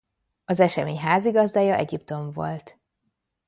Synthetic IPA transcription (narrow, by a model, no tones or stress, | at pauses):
ɒzɛʃɛmeːɲɦaːziɡɒzd̪aːjɒʔɛɟipt̪o̞ɱvo̞̰lt̪